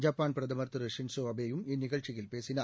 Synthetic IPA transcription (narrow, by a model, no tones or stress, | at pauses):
d͡ʑaːpːaːnpɾɐd̪ɐmɐrt̪ɨɾɐʂinsoːɐbeːjuminiɣɐɭt͡ʃiɣilpeːsinaː